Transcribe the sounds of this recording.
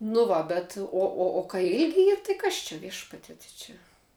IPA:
nʊ ˈʋɐ bʲɛt ˈoː oː oː kɐɪ ˈɪlʲɡʲɪ ˈiːr tɐɪ ˈkɐs t͡ʃʲɛ ˈʋʲiɛʃpɐtʲiɛ tɐɪ ˈt͡ʃʲɛ

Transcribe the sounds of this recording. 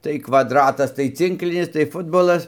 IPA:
tɐɪ kʋɐdˈrɑːtɐs tɐɪ ˈt͡sʲɪŋklʲɪnʲɪs tɐɪ ˈfʊdboːlˠɐs

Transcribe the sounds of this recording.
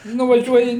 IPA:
nʊʋɐˈʒʲuɔjɪ

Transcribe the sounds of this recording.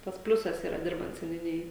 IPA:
ˈtɐs ˈpʲlʲʊsɐs ˈiːrɐ ˈdʲɪrbɐnt sʲɛnʲʊˈnʲɪjoːj

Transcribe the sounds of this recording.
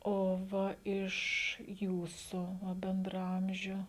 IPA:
oː ˈʋɐ ɪʃ ˈjuːsʊ ˈʋɐ bʲɛndrɐˈɐmʲʒʲʊ

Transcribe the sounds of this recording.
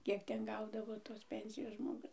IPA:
ˈkʲiɛk ˈtʲɛn ˈɡɐʊdɐʋoː toːs ˈpʲɛnʲsʲɪjoːs ʒmoːˈɡʊs

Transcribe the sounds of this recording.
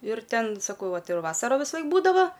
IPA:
ɪr ˈtʲɛn sɐˈkɐʊ ˈtɐɪ ˈjɛʊ ˈʋɑːsɐroː ʋʲɪsɐˈlˠɐɪk ˈbuːdɐʋɐ

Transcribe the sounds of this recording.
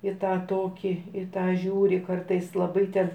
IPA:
ɪ ˈtɑː ˈtoːkʲiː ɪ ˈtɑː ˈʒʲuːrʲɪ ˈkɐrtɐɪs lˠɐˈbɐɪ tʲɛn

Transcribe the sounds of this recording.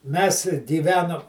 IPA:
mʲɛs ɡʲiːˈʋʲæːnoːm

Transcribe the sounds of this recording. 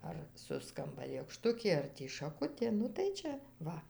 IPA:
ɐr ˈsʊskɐmbɐ lʲeːkˈʃtʊkʲeː ɐr ˈtʲiː ʃɐˈkʊtʲeː nʊ tɐɪ ˈt͡ʃʲɛ ˈʋɐ

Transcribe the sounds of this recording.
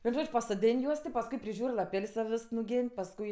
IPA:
ʋʲiɛn ˈʒoːt͡ʃʲ pɐsoːˈdʲeːnʲ ˈjuɔs tʲɪ pɐsˈkʊɪ pʲrʲɪˈʒʲuːrʲ lˠɐˈpʲɛlʲsʲ tʲɛn ˈʋʲeːs nʊˈɡʲɛnʲ pɐsˈkʊɪ

